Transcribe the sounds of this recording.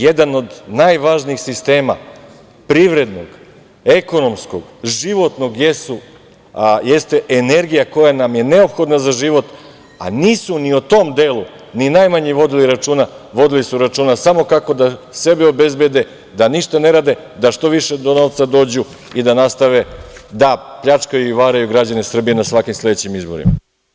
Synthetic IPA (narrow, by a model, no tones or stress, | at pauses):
jed̪ano̞d̪najʋaʒniːxsist̪e̞ːma̰ | pɾiʋɾe̞d̪noɡ | eko̞no̞msko̰ɡ̥ʒiʋo̞t̪no̞ɡjesu | jest̪e̞ʔene̞ɾɡijako̞janamje̞neo̞pxo̞d̪nazaʒiʋo̞t̪ | a̰niːsuniot̪o̞md̪eːlu | ninajmaɲiʋo̞d̪iliɾat͡ʂuːna | ʋo̞d̪ilisuɾat͡ʃuːnasamo̞kako̞d̪ase̞beobe̞zbjed̪e̞ | d̪aniʃt̪ane̞ɾad̪e̞ | d̪aʃt̪o̞ʋiʃed̪o̞no̞ʋt̪sad̪o̞ːd͡ʑu | id̪anast̪aʋe̞d̪apʎat͡ʂkajuiʋaːɾajuɡɾad͡ʑane̞sr̩bijenasʋakimslˠe̞d̪et͡ɕimizbo̞ɾḭma̰